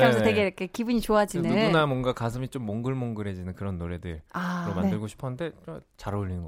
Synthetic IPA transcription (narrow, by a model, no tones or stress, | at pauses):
anʰsʌte̞ɡeɾʌkʰe̞kibuɲit͡ɕoɦad͡ʑinenuɡunamwʌnɡakasʰɯmit͡ɕ͈omːoŋɡɯɭmoŋɡɯɾe̞d͡ʑinɯnkɯɾʌnːoɾe̞dɯɭaomanndɯɭɡoɕʰi̥pʰʌnɯnde̞t͡ɕaɾʎːinɯnɡʌ